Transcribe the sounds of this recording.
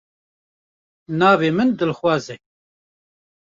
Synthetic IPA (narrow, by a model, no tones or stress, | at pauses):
naːveːmɨnd̪ɨlxwɑːzɛ